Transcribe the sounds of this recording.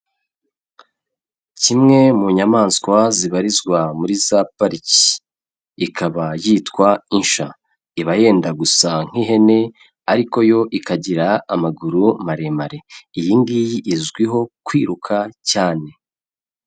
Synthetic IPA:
cimŋe̞muɲamaːnskwaziβaɾizɡwamuɾizapaɾici̥ː | kʰaβajiːtkwainʃa | iβaje̞ːndaɡusaŋ̥iɦe̞ne̞ | aɾiko̞jo̞ʔikaɟiɾaːmaɡuɾumaɾe̞maɾe̞ijiːŋɡijiʔːzɡwiɦo̞kwiːɾukʰacaːne̞

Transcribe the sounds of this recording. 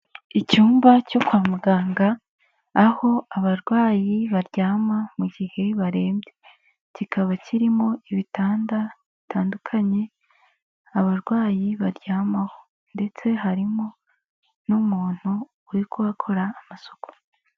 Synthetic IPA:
icuːmbaco̞kwaːmuɡaːŋɡaː | ho̞aβaɾɡwaːjiβaɾɟaːmamuɡihe̞βaɾe̞ːmbɟe | cikʰaβaciɾimo̞iβitaːndaβitʰaːndukʰaɲe̞ | aβaɾɡwaːjiβaɾɟaːmaho | nde̞t͡se̞ɦaɾimo̞ | numuːn̥huː | ɾikuβakʰo̞ɾaːmaso̞ko̥

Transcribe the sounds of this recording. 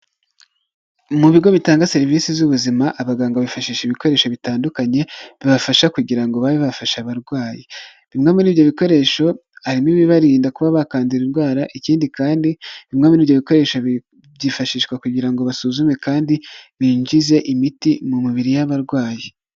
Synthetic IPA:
muβiɡo̞βitaːŋɡase̞ɾiviːsizuβuzimaʔaβaɡaːŋɡaβifaʃiːʃeβiko̞ɾe̞ːʃo̞βitaːndukaɲe̞βiβafaʃakuɟiɾaŋɡo̞βaβiβafaʃaβaɾɡwaːji | βimŋaːminiːβjo̞βiko̞ɾe̞ʃo̞ | haɾimiβiβaɾiːndakuβaβakaːndiɾinɡwaːɾaʔiciːndikaːndiβimŋaːminiːβjoβiko̞ɾe̞ːʃa | jifaʃiːʃkwakuɟiɾaŋɡo̞βasuzume̞kaːndiβiːɲd͡ʒize̞ʔimitimumiβiɾijaβaɾɡwaːji

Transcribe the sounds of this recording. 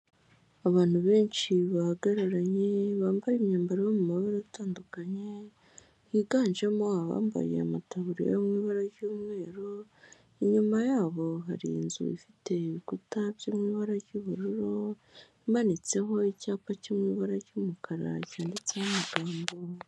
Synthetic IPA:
aβaːn̥huβe̞ːnʃiβaɡaɾaɾaɲe̞βaːmbajimɲaːmbaɾiβomumaβaɾoataːndukaɲe̞ | hiɡaːnʒamo̞aβa̰ːmba̰jḛa̰mataβuɾija̰jomŋiːβaɾaɾɟuːmŋe̞ːɾo | iɲumajaːβo̞ɦaɾḭnzṵḭfite̞iβikutabjoːmŋiːβaɾaɟuβuɾuɾo̞ | imanit͡se̞ɦo̞icaːpacomŋiβaɾaɟumukʰaɾa̰caːndit͡sehamaɡaːmbo

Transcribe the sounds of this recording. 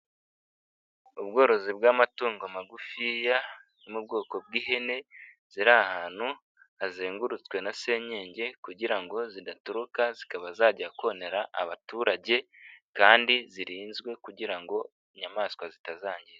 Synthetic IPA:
ubɡo̞ːɾo̞zibɡaːmatuːŋɡoamaɡufijanimub̚ɡo̞ːko̞bɡiːhe̞ne̞ | z̥iɾahaːn̥hu | azeːŋɡuɾut͡skwe̞nase̞ɲe̞ːɲɟe̞kuɟiɾaŋɡo̞zidatuɾukazikaβazaːɟakone̞ɾaʔa̰βatuːɾaɟe̞kaːndiziɾiːnzɡwe̞kuɟiɾaŋɡo̞ | iɲamaːskwazitazaːɲɟiɾe

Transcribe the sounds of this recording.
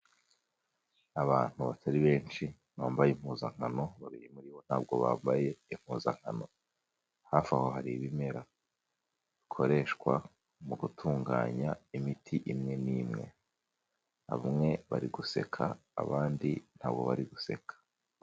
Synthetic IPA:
aβaːn̥huβatʰaɾiβe̞ːnʃi | βaːmbajem̥huːzaŋ̥ano̞βaβijemuɾiwo̞n̥haːb̚ɡo̞βa̰ːmbaje̞im̥huːza̰ŋ̥a̰no̞ | haːfaho̞ɦaɾiβime̞ɾa | βikʰo̞ɾe̞ːʃkwa̰ | muɡutʰuːŋɡa̰ːɲaimitʰiʔimŋe̞niːmŋe̞̰ | a̰βumŋe̞βaɾiɡuse̞kʰa̰ːβaːndin̥haːb̚ɡo̞̰βaɾiɡuse̞̰kʰḁ

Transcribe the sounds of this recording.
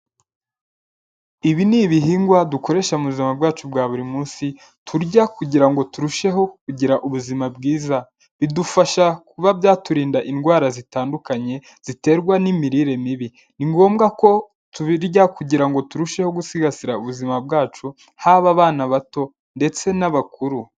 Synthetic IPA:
iβiniβiɦiːŋɡwaduko̞ɾe̞ʃaumuβuzimabɡaːt͡ʃubɡaːβuɾimuːnsi | tʰuɾɟakuɟiɾaŋɡo̞tuɾuʃe̞ɦo̞kuɟiɾaʔuβuzimabɡiːza | βidufaʃakuβabjaːtuɾiːndaʔinɡwaːɾazitaːndukaɲe̞ | z̥ite̞ːɾɡwanimiɾiːɾe̞miβi | niŋɡo̞ːmɡako̞ | tuβiɾɟakuɟiɾaŋɡo̞tuɾuʃe̞ho̞ɡusiɡasiɾauβuzimab̚ɡaːt͡ʃu | haβaβaːnaβato̞ | nde̞t͡se̞naβakuɾu

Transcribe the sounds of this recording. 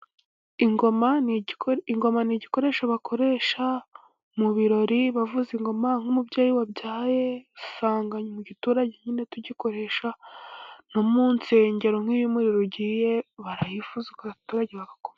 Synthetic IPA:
iŋɡoma | iŋɡo̞maniːɟiko̞ɾe̞ːʃaβakʰo̞ɾe̞ʃa | muβiɾo̞ɾiβavuziŋɡo̞maŋ̥homubɟaːjiwabɟaːje̞saːŋɡaɲomuɟituːɾaɟe̞ɲine̞tuɟiko̞ɾe̞ːʃa | nomuːnseɲɟeɾoŋ̥hiβimuɾiɾoɟiːje̞βaɾajifuzekaβatuːɾaɟeβaɡakom

